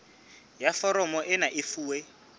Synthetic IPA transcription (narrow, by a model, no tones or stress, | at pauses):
jafɔɾɔmɔʔɪnaʔɪfuːwe